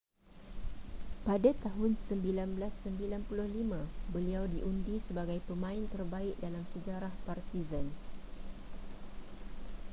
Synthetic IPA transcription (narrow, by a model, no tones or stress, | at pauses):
padat̪aɦʊnsəmbilanbəlasːəmbilanpulʊhlimãbəliawdiʔundisəbaɡajpəmãɪnt̪ərbaɪʔ̚dalamsəd͡ʒaɾahpart̪izan